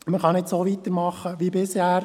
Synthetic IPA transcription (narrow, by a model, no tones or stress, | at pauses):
məχɑnɪtsoːʋit̪əɾmɑχəʋibɪshæːɾ